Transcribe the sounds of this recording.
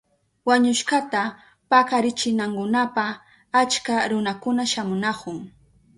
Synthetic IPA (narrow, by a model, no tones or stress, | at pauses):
waɲʊʃkat̪a | pakaɾɪt͡ʃɪnaŋkʊnapa | at͡ʃkaɾʊnakʊnaʃamʊnakʊŋ